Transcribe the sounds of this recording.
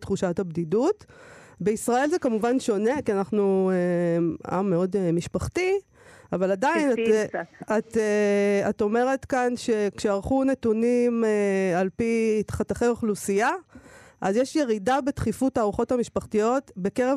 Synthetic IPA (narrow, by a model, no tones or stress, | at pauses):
t̪χuʃatabdidutbe̞isʁae̞lzekamuvanʃo̞ne̞kianaχnuea̰mːeo̞dmiʃpaχti | avaladaina | at̪ | ato̞me̞ʁe̞tkanʃe̞kʃeaʁχune̞tunimealpitχataχeoχlusijaʔazjeʃje̞ʁidabe̞tχifutaːʁuχo̞tamiʃpaχtijo̞tbe̞keʁe